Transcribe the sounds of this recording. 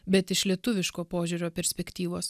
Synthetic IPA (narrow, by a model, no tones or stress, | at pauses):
bʲɛt̪ɪʃlʲiɛt̪ʊʋʲɪʃkoːpoːʒʲuɾʲoːpʲɛɾʲsʲpʲɛkʲt̪ʲiːʋoːs